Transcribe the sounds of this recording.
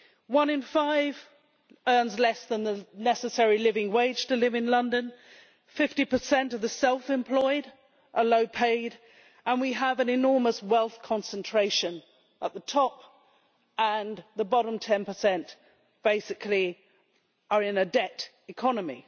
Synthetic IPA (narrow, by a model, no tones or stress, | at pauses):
wʌ̃nɨ̃nfaɪv | ɜ̃˞nzlɛsðə̃nðənɛsɨsɛɹilɪvɪ̃ŋweɪd̥ʒ̥tʰəlɪvɨ̃nlʌ̃ndɨ̃n | fɪftipə˞sɛ̃ntʌvðəsɛlˠfɨ̃mpʰl̥ɔɪɾ | ʔəloʊpʰeɪɾ | ʔə̃nwiəvɨ̃nɨnɔɹməswɛlˠθkʰɑ̃nsə̃ntʰɹ̥eɪʃɨ̃n | ʔəʔ̪̚ðətʰɒp | ə̃nðəbɑɾə̃mtʰɛ̃npəsɛ̃nʔ | b̥eɪsɨkʰli | ə˞ɪ̃nɨdɛɾ | ɨkʰɑnəmḭ